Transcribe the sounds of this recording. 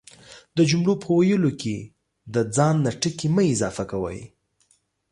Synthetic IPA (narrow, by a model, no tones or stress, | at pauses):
d̪əd͡ʒʊmɽopʰəwajəlokʰe | d̪əd͡zɑnːaʈəkeməɪzɑfakawə̰j